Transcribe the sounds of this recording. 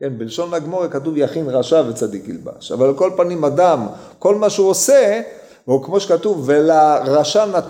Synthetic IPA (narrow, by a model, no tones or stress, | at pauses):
kenbilʃo̞nlaɡmo̞ʁekatuvjaχinʁaʃavet͡sad̪ikilba̰ʃa̰valko̞lpanimad̪am | ko̞lmaʃuose | hukmo̞ʃekatuvːelaʁaʃanat